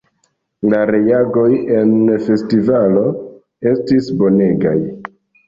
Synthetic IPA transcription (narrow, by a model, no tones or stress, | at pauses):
laɾe̞jaɡo̞je̞nfe̞stivalo̞ | e̞stisbo̞ne̞ɡa̰j